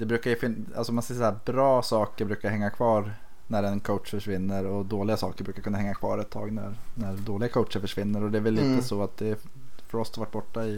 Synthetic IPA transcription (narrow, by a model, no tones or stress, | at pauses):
d̪̥ɛbɾʉ̟ːkaɾjɵfɪna̰lsɔmansɛsæːbɾɑːsɑːkəɾbɾʉ̟ːkaɾhɛŋːakʰvɑːɾ | næɾɛnkʰowt̪ʂfœʂvɪnːəɾɔd̪oːlɪɡasɑ̰ːkəɾbɾʉːkaɾkɵnːahɛŋːakʰvɑ̰ːɾɛt̪ʰːɑ̰ːɡnæ̰ɾnæɾd̪oːlɪɡakʰowʂəɾfœʂvɪnːəɾɔd̪ɛæɾvɛlːiːt̪əsɔat̪̚d̪ɛ | fœɾɔst̪aɾvaʈːbɔʈːaɪ